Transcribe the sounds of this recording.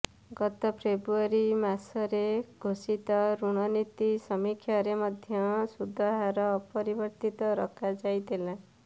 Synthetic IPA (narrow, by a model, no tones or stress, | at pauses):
ɡʌt̪ɔpʰɾebɾuaɾimasʌɾeɡʱosit̪ʌɾuɽ̃ʌnit̪isʌmikʰjaɾemʌd̪ʱjʌsud̪ʱːʌɦaɾʌpʌɾibʌɾt̪it̪ʌɾʌkʰad͡zajd̪elã